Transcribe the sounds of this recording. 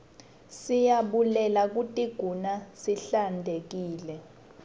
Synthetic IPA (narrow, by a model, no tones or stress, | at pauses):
sijaɓulɛlak̬utʼiɡ̥ʱunasiɬandʱek̬iːlɛ